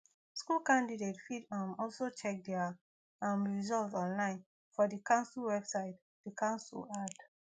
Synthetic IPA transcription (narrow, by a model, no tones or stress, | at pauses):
skulkãndidetfidamɔlsot͡ʃɛk̚dɛa | ãnɹizɔltɔ̃nlãɪ̃n | fɔdikãʊ̃nslwɛbsaɪt | d̥ikʰãʊ̃nsṵlad